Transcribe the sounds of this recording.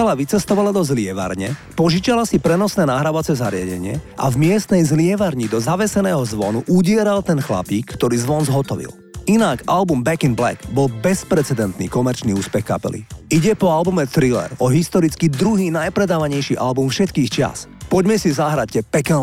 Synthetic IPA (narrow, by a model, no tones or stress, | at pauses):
kalaʋit͡sɛst̪ɔʋalad̪ɔzlɪɛʋa̰ɾɲɛ | pɔʒiːt͡ʃalasipɾɛnɔsnɛːnaɦɾaʋat͡sɛzaɾɪa̰ɟɛ̰ɲɪɛ̰ʔa̰vmɪɛst̪nɛjzlɪɛʋaɾɲid̪ɔzaʋɛsɛnɛːɦɔzʋɔnuʔuɟɪɛɾalt̪ɛnxla̰piːkʰːt̪ɔɾiːzʋɔnzɦɔt̪ɔʋḭl | inakalbumbɛkinblɛ̰ɡbɔlbɛspɾɛt͡sɛd̪ɛnt̪nḭːkɔmɛɾt͡ʃniuːspɛxka̰pɛ̰lḭiɟɛpɔalbumɛt̪ɾilɛ̰ɾɔɦist̪ɔɾit͡skid̪ɾuɦiːnajpɾɛd̪aːʋaɲɛjʃiʔalbumfʃɛt̪kiːxt͡ʃɪa̰spɔɟmɛsizaɦɾaɛpɛkɛ